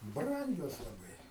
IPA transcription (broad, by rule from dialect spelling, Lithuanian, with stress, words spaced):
ˈbrɐŋʲɡʲoːs lˠɐˈbɐɪ